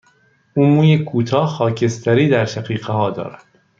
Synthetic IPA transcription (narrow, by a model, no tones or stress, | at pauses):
ʔuːmuːjekʰuːt̪ʰɒːxɒːcʰe̞st̪ʰæɾiːd̪æɾʃæqiːɢehɒːd̪ɒ̰ːɾæd̪̥